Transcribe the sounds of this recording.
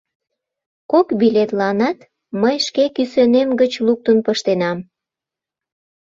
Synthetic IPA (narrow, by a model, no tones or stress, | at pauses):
kokbilet̪lɑnɑt̪ | məjʃkekysønemɡət͡ɕluk̚t̪ənpəʃt̪enɑm